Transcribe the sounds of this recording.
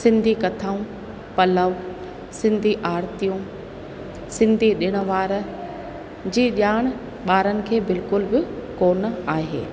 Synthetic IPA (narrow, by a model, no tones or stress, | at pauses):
sɪ̃nd̪ʱikɐt̪ʰaːũ | pɐləʋ | sɪ̃nd̪ʱiʔaːɾt̪ijũ | sɪ̃nd̪ʱiɗɪɽ̃ə̆ʋaːɾ | d͡ʑiːʄaːɽ̃ | ɓaːɾənɪ̆kʰeːbɪlkʊlbɪkoːnə̆aːɦḛː